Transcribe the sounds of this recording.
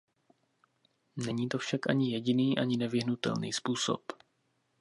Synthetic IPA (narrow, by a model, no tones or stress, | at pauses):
nɛɲiːt̪o̞fʃakʔaɲɪjɛɟɪniːʔaɲɪnɛvɪɦnut̪ɛ̰lnḭːspuːso̰p